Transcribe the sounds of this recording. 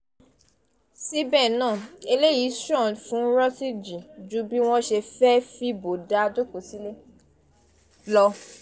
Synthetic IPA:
si˦bɛ˦˨nãː˦˨e˧le˦ji˨˦sɔ̃˦˨fũ˨˦ɾɔ˦si˦d͡ʒi˨d͡ʒu˦bi˦w̃ɔ̃˦ʃɛ˧fɛ˦fi˦bo˨da˨˦˧d͡ʒo˦ko˨si˦le˦ | lɔ˧

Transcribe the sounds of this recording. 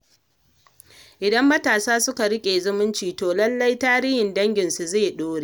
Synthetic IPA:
ʔɪ˨dɐ˦mːɐ˦taː˨saː˦sʊ˦ka˨ɽɪ˦kʲʼeː˨zʊ˦mʊ˦nt͡ʃiː˨toː˨lɐ˦lːɐ˦jtaː˦ɾiː˦hɪ˨ndɐ˦ŋɡʲɪ˨nsu˨zeː˦˨ɗoː˦ɾeː˦

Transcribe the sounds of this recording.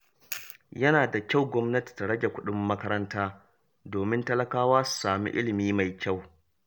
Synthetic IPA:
jɐ˦naː˨da˨kʲa˦˨wɡʷɔ˦mnɐ˦ti̥˨ta˨ɽɐ˦ɡʲe˨kʷʊ˦ɗʊ˦mːɐ˦kɐ˦ɾɐ˦ntaː˦ | doː˨mɪ˦ntɐ˦lɐ˦kaː˦waː˦su̥˨saː˨mḭ˦ʔɪ˦lɪ˨miː˦ma˨jkʲa˦˨w

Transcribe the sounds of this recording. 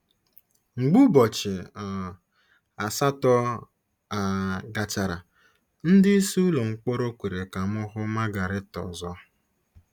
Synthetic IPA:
ŋ͡m̩˨ɡ͡bu˦bɔ˨t͡ʃɪ˨ | a˨sa˦tɔ˦ | a˨ɡa˨t͡ʃa˨ɾa˨ | n̩˦dɪ˦i˦su˦lo˨ŋ͡m̩˨k͡po˦ɾo˦kʷe˨ɾe˨ka˨m˦ʊ˦ɦʊ˦ma˦ɡa˨ɾɪ˦tɔ̰˨zɔ˦

